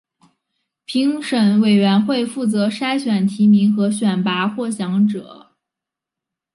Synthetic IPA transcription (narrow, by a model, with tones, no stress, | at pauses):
pʰi˧˥ŋʂə˨˧˩nwe˨˩ɪɥɛ˧˥nxwe˥˧ɪfu˥˩t͡sɤ˧˥ʂa˥ɪɕɥɛ˨˩nt̪ʰi˧˥mi˧˥ŋxɤ˧˥ɕɥɛ˨˩npa˧˥xwɔ˥˩ɕjɑ˧˥ŋʈ͡ʂɤ˨˩˦